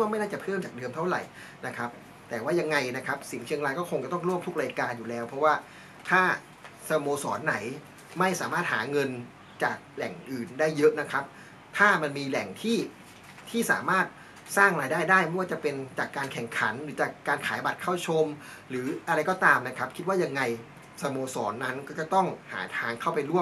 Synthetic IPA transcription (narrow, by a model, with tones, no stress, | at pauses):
waː˥˩m˥˩jnaː˥˩t͡ɕa˨˩pʰɤː˥˩mt͡ɕaː˨˩k̚dɤː˧mt̪ʰa˥˩wɾa̰˨˩j | na˦˥kʰɾa˦˥p̚ | t̪ɛː˨˩waː˥˩ja˧ŋːa˧jna˦˥kʰa˦˥p̚si˨˩˦ŋt͡ɕʰi˧əŋɾaː˧jkɔː˥˩kʰo˧ŋt͡ɕa˨˩t̪ɔ˥˩ŋɾu˥˩əmt̪ʰu˦˥k̚ɾaː˧jkaː˧njuː˨˩lɛː˦˥wpʰɾɔ˦˥waː˥˩ | t̪ʰaː˥˩ | sa˧moː˧sɔː˩˦nːa˩˦j | ma˥˩jsaː˩˦maː˥˩t̪̚ha̰ː˩˦ŋɤ˧n | t͡ɕaː˨˩k̚lɛ˨˩ŋʔɯː˨˩ndaː˥˩jːɤ˦˥ʔna˦˥kʰɾa˦˥p̚ | t̪ʰaː˥˩ma˧nmiː˧lɛ˨˩ŋt̪ʰiː˥˩ | t̪ʰiː˥˩sa̰ː˩˦maː˥˩t̪̚ | saː˥˩ŋɾaː˧jdaː˥˩jdaː˥˩jma˥˩jwaː˥˩t͡ɕa˨˩pe˧nt͡ɕaː˨˩kːaː˧nkʰɛ˨˩ŋkʰa̰˩˦nɾɯː˩˦˥t͡ɕaː˨˩kːaː˧nkʰaː˩˦jba˨˩t̪̚kʰa˥˩wt͡ɕʰo˧m | ɾɯː˩˦ʔa˧ɾa˧jkɔː˥˩t̪aː˧mna˦˥kʰɾa˦˥p̚kʰi˦t̪̚waː˥˩ja˧ŋːa˧j | sa˧moː˧sɔ̰ː˩˦nːa˦˥nkɔː˥˩t͡ɕa˨˩t̪ɔ˥˩ŋha̰ː˩˦t̪ʰaː˧ŋkʰa˥˩wpa˧jɾu˥˩əm